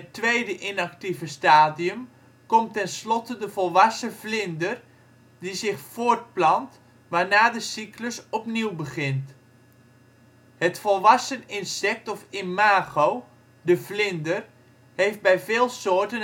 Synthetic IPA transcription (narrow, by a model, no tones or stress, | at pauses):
ətʋejdəʔɪnaktivəstaːdiəm | kɔmtɛnslɔtədəvɔlˠʋɑsəvlɪndər | dizɪχfoːrt̚plɑnt | ʋaːnaːdəsikləsɔpniwbəχɪnt | hətfɔlˠʋɑsənɪnsɛk̚tɔfɪmaːɣow | dəvlɪndər | hejf̚bɛjvɪːlˠsoːɹtən